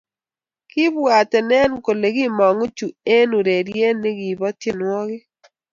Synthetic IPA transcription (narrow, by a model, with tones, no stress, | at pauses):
kɪ˦bwa˨tɛ˨nɛ˦nko˨le˨ɡɪ˦mɔ˨ŋo˦t͡ʃu˨e˦nu˨ɾe˨ɾje˦nɪ˦ɡi˨bɔ˦tje˨nwɔ˦ɡɪ˦